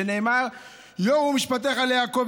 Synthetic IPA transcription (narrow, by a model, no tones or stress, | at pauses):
eneːmaʁ | joʁhumiʃpat̪̬eχaljaːkov